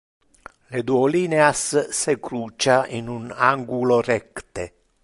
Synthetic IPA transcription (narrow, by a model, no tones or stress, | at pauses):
led̪uoliːneasːekɾuːt͡ʃainunaŋɡuloɾɛkt̪e